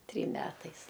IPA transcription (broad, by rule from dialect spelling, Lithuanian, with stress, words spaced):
ˈtʲrʲiːm ˈmʲæːtɐɪs